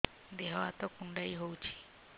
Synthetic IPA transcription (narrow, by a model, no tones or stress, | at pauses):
d̪eɦɔat̪ɔkuɳɖaiɦowt͡ʃʰi̥